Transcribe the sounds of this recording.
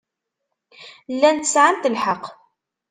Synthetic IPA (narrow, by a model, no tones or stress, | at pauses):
lːænt̪əsʕamt̪əlħəq